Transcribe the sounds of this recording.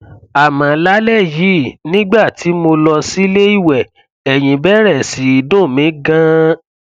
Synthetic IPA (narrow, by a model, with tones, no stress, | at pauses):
a˨mã˨˦la˦lɛ˦˨ji˨˦nĩ˦ɡ͡ba˦˨ti˨˦mo˧lɔ˧si˦le˦i˦˨wɛ˨ | ɛ˨j̃ĩ˨bɛ˦ɾɛ˦˨si˨˦i˨dõ˦˨mĩ˨˦ɡã˦